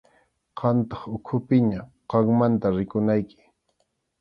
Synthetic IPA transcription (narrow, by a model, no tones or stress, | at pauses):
qɑnt̪ɑχʊkʰʊpɪɲa | qɑŋmant̪aɾɪkʊnajkɪ̥